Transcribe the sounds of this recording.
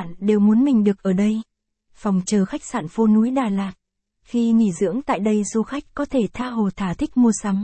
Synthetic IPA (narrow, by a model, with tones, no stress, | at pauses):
nɗe˨˩wmu˨˦ənmï˨˩ŋ̟ɗɨ˨˩ək̚ʔəː˧˩ɗə˧j | fa˨˩wŋ͡mt͡ɕəː˨˩xa˦˥jk̚saː˧˨nfo˧nu˨˦jɗaː˨˩laː˨˩k̚ | xi˧ŋḭ˧˩zɨ̰˧˥əŋt̪a̰ː˧˨jɗə˧jzu˧xa˦˥jk̟̚kɔ˨˦t̪ʰe˧˩t̪ʰaː˧ɦo˨˩t̪ʰaː˧˩t̪ʰï˦˥k̚mu˧əsa˨˦m